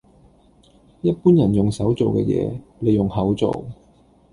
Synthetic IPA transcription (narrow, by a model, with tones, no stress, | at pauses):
jɐ˥t̚puː˥njɐ˨˩njʊ˨ŋsɐ˨˥wt͡so˨wkɛ̰ː˧jɛ̰ː˨˧le˨˧jʊ˨ŋɦɐ˨˥wt͡so̰˨w